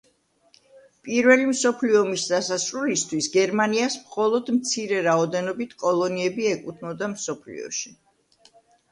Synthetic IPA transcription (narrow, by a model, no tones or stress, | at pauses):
pʼiɾvɛlimsɔpʰliɔmisd̪asasʼɾulist̪ʰwisɡɛɾmaniasmχɔlˠɔd̪mt̪sʰiɾɛɾaɔd̪ɛnɔbit̪ʰkʼɔlˠɔniɛbiɛkʼut̪ʰnɔd̪amsɔpʰlḭɔ̰ʃi